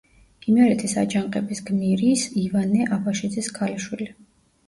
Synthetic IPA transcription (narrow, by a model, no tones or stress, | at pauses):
imɛɾɛt̪ʰisa̰d͡ʒaŋqʼɛbisɡmiɾisivanɛʔabʰaʃid̪ziskʰaliʃwili